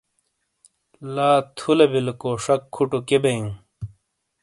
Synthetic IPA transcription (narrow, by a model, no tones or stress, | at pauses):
laːt̪ʰulebilkoːʂɐkʰːuʈukebeiŋ